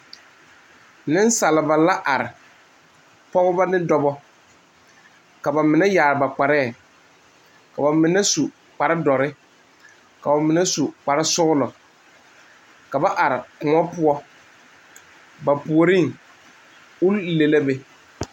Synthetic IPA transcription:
nɪ˦n˦sa˨lɪ˨ba˨la˦ʔa˨ɾɪ˨ | pɔ˦ɣʊ˦ba˦nɪ˦dɔ˦bɔ˦ | ka˨ba˨mɪ˨nɛ˦jaː˨ɾɪ˨ba˨k͡pa˨ɾɛː˦˨ | ka˨ba˨mɪ˨nɛ˦su˨ | k͡pa˨ɾɪ˦dɔ˨ɾɪ˦ | ka˨ba˨mɪ˨nɛ˦su˨k͡pa˨ɾɪ˦sʊ˦ɣʊ˦lɔ˨ | ka˨ba˦ʔa˨ɾɪ˨kʊ˨ŋɔ˦pʊ˦ɔ˦ | ba˨pu˨o˨ɾi˦˨ŋ | ʊ˦lle˨la˦be˨

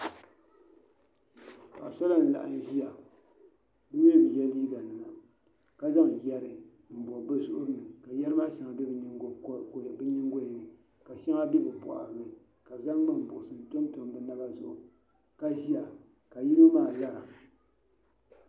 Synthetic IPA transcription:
ka˨ʔsa˦la˦n̩˨la̰˨ʔa̰˨n˦ʒi˦ja˨ | bɨ˦ɲɛ˦˨m˨jɛ˦liː˦ɡa˨nɨ˨ŋa˨ | ka˨za˦ŋ˨jɛ˦ɾɨ˨ | m̩˨bɔ˨bɨ˦sʊ˦ʔʊ˦ɾɨ˦nɨ˨ka˨jɛ˦ɾɨ˦ma˦ʃa˨ŋa˨bɛ˦bɨ˨ɲi˦ŋ˨˦kbɨ˦ɲi˦ŋ˦ɡo˦ji˨nɨ˨ | ka˨ʃa˦ŋa˦bɛ˦bɨ˨pʊ˨ʔa̰˨ɾnɨ˨ | ka˨bza˦ŋɡ͡bɨ˦m˨bʊ̰˨ʔʊ˨sɨ˨n˨to˦mto˨m˦bɨ˨na˦ba˦zʊ̰˨ʔʊ̰˨ | ka˨ʒi˦ja˨ | ka˨ji˦no˦maː˦˨la˦ɾa˨

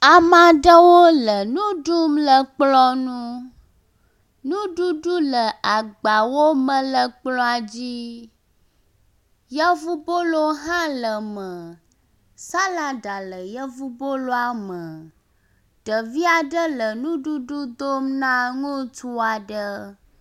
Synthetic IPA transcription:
a˨mã˨ɖə˦wo˦lə˨nũ˦ɖu˦mlə˨k͡plɔ˦nũ˦ | nũ˦ɖu˦ɖu˦lə˨ʔa˨ɡ͡ba˨wo˦mə̃˨lə˨k͡plɔ˦a˨d͡ʑi˦ | jɛ˦vu˦bo˦lo˦ɦã˦lə˨mə˨ | sa˦la˨ɖa˨lə˨jə˦vu˦bo˦lo˦a˨mə˨ | ɖ̥ə˨vi˦a˨ɖə˦lə˨nũ˦ɖu˦ɖu˦d̪o˦mnã˦ŋũ˦t̪u˦a˨ɖə˦

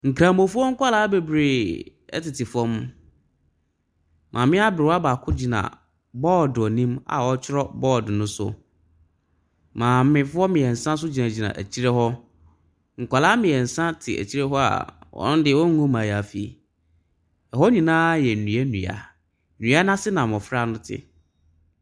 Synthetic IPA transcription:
ŋ̩˨kʰɾã˨mbõ˨fʊ˦ɔ˦ŋ̩˦kʷʰa˦laː˦be˨bɾe˨ | ɛ̰˦tɪ˨tʰɪ˨fɔ̃˦m | mʔã̰˨mɪ̃˦a˦bɾɪ˨wa˦ba˨kʰʊ˦d͡ʑi˨nã̰˨ | bɔː˦dʊ˨ɔ˨nĩ˦ma̰˨wɔ˦t͡ɕʰɪ˦ɾɔ˦bɔː˦˨dɪ˨nʊ̃˦sʊ̰˦ | mãː˨mɪ̃˦fʊ˦ɔ˦mɪ̃˨ɛ˨n̩˨sã˦s̬ʊ˦d͡ʑi˨nã˨d͡ʑi˨nã̰˨ʔæ̰˨t͡ɕʰi˦ɾɛ˦hɔ˦ | ŋ̩˨kʷa˨la˦mɪ̃˨ɛ˨n̩˨sã˦tʰɪ̰˨æ̰˨t͡ɕʰi˦ɾɛ˦ɦɔ˦a̰˨wɔ̰̃˦n˦dɪ˦˨wɔ̃˦ŋ˦ŋũ˦mãː˨ja˨fi˦˨ | ɛ˨ɦɔ˦ɲĩ˨nãː˦jɛ˨n̩˨nũ˨ɛ˦nũ˨a̰˨˦˨ | nũ˨˦a˦nã˦sɪ˦nã˨m˨ɔ̃˨fɾa˦nʊ̃˦tʰɪ̰˨

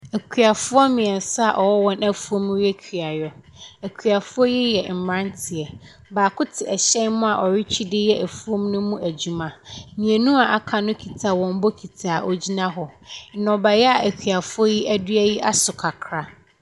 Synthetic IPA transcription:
æ˨kʰɥa˨fʊ˦ɔ˦mĩ˨ɛ˨n˨sʊ˦a˨ʔɔ˨wɔ˦wɔ̃˦nʔæ˦fu˦o˦m˦ɾi˦ɛ˦kʰi˨a˨jɔ˨ | æ˨kʰɥa˨fʊ˦ɔ˦ji˦jɛ˨m̩˨mã˦ntʰɪ˨ɛ˨ | baː˨kʰʊ˦tʰɪ˨ɛ˨ɕɛ̃˦nmʊ̃˦a˨ʔɔ˨ɾɪ˦t͡ɕʰᶣi˦dɪ˦jɛ˦ʔæ˨fu˦o˦mnʊ̃˦mũ˦æ˨d͡ʑu˦mã˨ɲĩ˨ɛ̃˨nũ˦a˨ʔa˦kʰa˨nʊ̃˦kʰi˨tʰa˨wɔ̃˨m˦bɔ˦kʰi˨tʰaː˨ʔɔ̰˨d͡ʑi˦nã˦ɦɔ˨n̩˨˦nɔ̃˨ba˨jɛ˦a˨ʔæ˨kʰᶣɥa˨fʊ˦ɔ˦ji˦ʔæ˦dɥæ˦ji˦ʔa˦sʊ˨kʰa˨kʰɾa˦

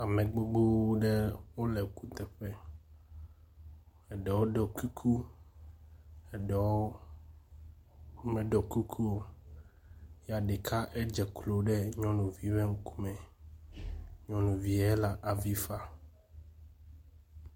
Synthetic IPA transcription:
a˨mɛ̃˨ɡ͡bo˦ɡ͡bo˦ɖɛ˦wo˦lɛ˨ku˦t̪ɛ˨ɸɛ˦ | ɛ˨ɖɛ˨wo˦ɖɔ˨ki˦kʰu˦ | ɛ˨ɖɛ˨o˦ | mɛ̃˨ɖɔ˨ku˦kʰu˦o˦˨ | ja˨ɖe˨kʰa˦ʔɛ˦d͡ʒɛ˨klo˨ɖɛ˦ɲɔ̃˦nũ˨vi˦βɛ˦ŋ̩˦kʰu̥˦mɛ̃˨ | ɲɔ̃˦nũ˨vi˨ɛ˦la˨ʔa˨vi˦fa˦

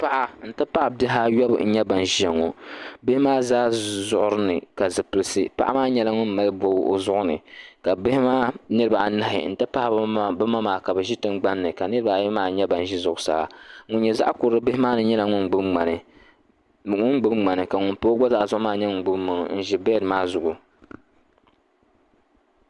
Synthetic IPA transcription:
pa˦ʔa˨n̩˦tɨ˦pa˦ʔbɪ˦ɦa˦ɥɔ˦bn̩˦ɲɛ˦ba˨n˨ʒɛ˨ŋːo˨bɪ˦hɪ˦maː˦zaː˦zʊ˦˨ʔʊ˦ɾɨ˦nɨ˨ka˨zɨ˨pɨ˨lsɨ˦pa̰˦ʔa̰˦maː˦ɲɛ˦la˦ŋʊ˦nma˦lbo˨˦o̰˨zʊ˦ʔʊ˦nɨ̰˨ka˨bɪ˦hɪ˦maː˦nɨ˦ba˨na˦ɦɪ̰˨n̩˦tɨ˦pa˦ʔa˨bɨ˦ma˦maː˨ka˨bɨ˨ʒi˦tɨ˦mɡ͡ba˦nːɨ˨ka˨nɨ˦ɾɨ˦ba˨jmaː˨ɲɛ˦ba˨n˨ʒi˦zʊ˨ʔʊ˨sa̰˨ha̰˨ŋʊ˦n˦ɲɛ˨za̰˦ʔa˦kʊ˨ɾɨ˦bɪ˦hɪ˦maː˦nɨ˨ɲɛ˦la˨ŋʊ˦nɡ͡bɨ˦bŋ͡ma˨nɨ˨ | ŋʊ˦nɡ͡bɨ˦bŋ͡ma˨nɨ˨ka˨ŋʊ˨˦npo˦ɡ͡bɔ˦za˦ʔzʊ˦ʔʊ˦maː˦ɲɛ˦ŋʊ˨n˨ɡ͡bɨ˦bmʊ˨nʊ˨n̩˦˨ʒi˦bɛ˦ɾɨ˨maː˦zʊ˨ʔʊ˨

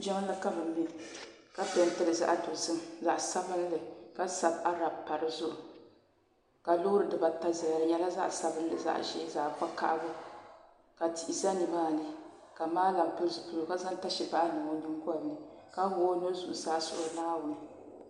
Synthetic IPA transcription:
d͡ʒɛ˦ŋ˦la˦ka˦bɨ˨mː˦i˦˨ | ka˦bɛ˨n˦tɨ˨ɾɨ˨za̰˦ʔa˦do˨zɨ˦mza˨ʔsa˦bɨ˦n˦lɨ˨ka˦sa˨ba˦ɾa˨bpa˨ɾɨ˦zʊ˦ʔʊ˨ | ka˨lʊ˦hʊ˦ɾɨ˨dɨ˨ba˨ta˦za˨lɲɛ˦la˦za̰˦ʔsa˦bɨ˦n˦lɨ̰˨za̰˦ʔʃɛ˦za˨pa˦ka̰˦ʔbʊ˦ | ka˨ti˨ʔi˨za˦ni˨maː˦˨nɨ˦ | ka˨maː˦la˨mpɨ˦ɾzɨ˨pu˨lo˨ka˦za˦nta˦ʃi˨ba˦ʔa˦nɨ˨mo˦ni˦m˦kʊ˦a˦˨nnːɨ˨ | ka˦wʊ˦o˦no˦zu˨ʔu˨saː˦sʊ̰˨ʔʊ˦naː˦wʊ˨nɨ˦

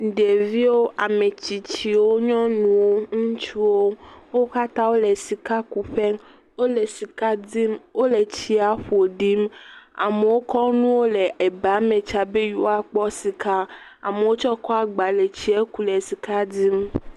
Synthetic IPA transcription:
ɖe˨vi˦wo˦ʔa˨me˨t͡ɕi˨t͡ɕi˨wo˦ɲɔ̃˦nũ˨wo˦ŋũ˦t͡ʃu˦wo˦wo˦ka˦t̪ã˦wo˦le˨si˨ka˦ku˨ɸɛ˦ŋ | wo˦le˨si˨ka˦di˦mwo˦le˨t͡ɕi˦a˨ɸo˨ɖi˦ma̰˨me˨wo˦kɔ˦nũ˦wo˦le˨ʔe˨ba˨˦mẽ˨t͡ʃa˨be˦ju˦a˨k͡pɔ˦si˨ka˦ | a̰˨me˨wo˦t͡ʃɔ˦kɔ˦a˨ɡ͡ba˨le˨t͡ɕi˦e˦ku˦le˨si˨ka˦di˦m

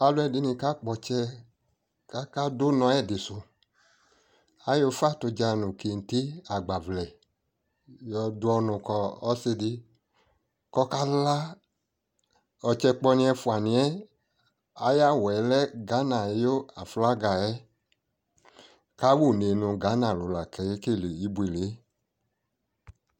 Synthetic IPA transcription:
a˧lu˧˦ɛ˦˨di˨˧nĩ˧ka˦k͡pɔ˧t͡ʃɛ˧ | ka˦ka˦do˦nɔ̃˧˦ɛ˦˨di˨su˧ | a˨˦jo˧fa˦˨to˧d͡ʒa˧nũ˨ki˨n̩˨ti˦a˨ɡ͡ba˨vlɛ˨ | jɔ˧du˧ɔ˧nũ˨kɔ˧ɔ˦se˧di˧ | kɔ˧ka˦la˦ | ɔ˧t͡ʃɛ˧k͡pɔ˧nĩ˧ɛ˧fu˧a˨nĩ˧ɛ˦ | a˨˦ja˦˨wɛ˨˦lɛ˦ɡa˨˦na˨ɛ˨˧˦jo˦a̰˨fla˦ɡa˨ɛ˦ | ka˦wu˦˨ne˨˧nũ˧ɡa˨˦na˨lu˨la˨kɛ˨e˦ke˦˨le˨i˦bu˧e˨le˨˦

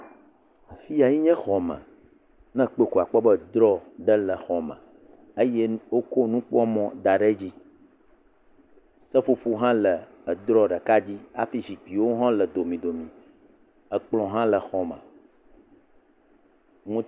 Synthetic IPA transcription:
a˨fi˦a˨ji˦ɲɛ̃˦xɔ˨mə̰̃˨ | nɛ̃˦k͡pe˦˨ku˨a˨k͡pɔ˦bə˦d̪ɾɔ˦ɖə˦lə˨xɔ˨mə̰̃˨ | e˦jɛ˦wo˦ko˦nũ˦k͡pɔ˦mɔ̃˦d̪a˨ɖe˦d͡ʑi˦ | sə˦fu˦ɸu˦ɦã˦lə˨ | ə˨d̪ɾɔ˦ɖə˨ka˦d͡ʑi˦a˦fi˦zi˨k͡pi˨wo˦ɦɔ̃˦lə˨d̪o˨mĩ˨d̪o˨mĩ˨ | ə˨k͡plɔ̃˨ɦã˦lə˨xɔ˨mə̰̃˨ | ŋũ˦

